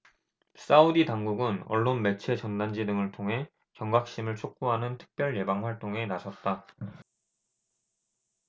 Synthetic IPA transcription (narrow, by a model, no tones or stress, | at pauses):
s͈auditaŋɡuɡɯnʌ̰ɭːonme̞t͡ɕʰe̞t͡ɕʌndand͡ʑidɯŋɯɭtʰoŋɦe̞ | t͡ɕjʌŋɡak̚ɕ͈imɯɭt͡ɕʰok̚k͈oɦanɯntʰɯ̥k̚p͈jʌɭje̞baŋɸwaɭt͈oŋe̞nasʰʌt̚t͈a